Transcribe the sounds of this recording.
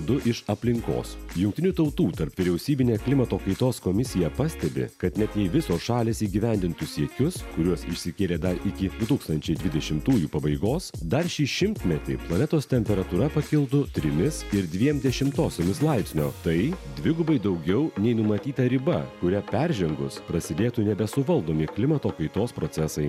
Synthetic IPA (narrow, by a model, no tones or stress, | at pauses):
d̪ʊʔɪʃɐpʲlʲɪŋko̰ːsjʊŋkt̪ʲɪnʲuːt̪ɐʊt̪uːt̪ɐɾpʋʲɪɾʲɛʊsʲiːbʲɪnʲeːklʲɪmɐt̪oːkɐɪt̪oːskoːmʲɪsʲɪjɛpɐsʲt̪ʲɛbʲɪ̰kɐt̪nʲɛt̪jɛɪʋʲɪsoːsʃɑːlʲeːsiːɡʲiʋʲæˑnʲd̪ʲɪnt̪ʊsʲiɛkʲʊskʊɾʲuɔsɪʃʲsʲɪkʲeːlʲeːd̪ɐɾɪkʲɪd̪ʊt̪uːkst̪ɐnʲt͡ʃʲɛɪd̪ʲʋʲɪd̪ʲɛʃʲɪmt̪uːjuːpɐbɐɪɡoːsd̪ɐɾʃʲiːʃʲɪmʲt̪ʲmʲɛt̪ʲɪ̰ɪplˠɐnʲɛt̪oːst̪ʲɛmʲpʲɛɾɐt̪uːɾɐpɐkʲɪlˠt̪ʊt̪ʲɾʲɪmʲɪsɪɾd̪ʲʋʲiɛmd̪ʲɛʃʲɪmt̪oːsʲoːmʲɪslˠɐɪpsʲnʲoːt̪ɐɪd̪ʲʋʲɪɡʊbɐɪd̪ɐʊɡʲɛʊnʲɛɪnʊmɐt̪ʲiːt̪ɐɾʲɪbɐkʊɾʲɛpʲɛɾʲʒʲɛŋɡʊspɾɐsʲɪd̪ʲeːt̪unʲɛbʲɛsʊʋɐlˠd̪oːmʲɪklʲɪmɐt̪oːkɐɪt̪oːspɾoːsʲɛsɐɪ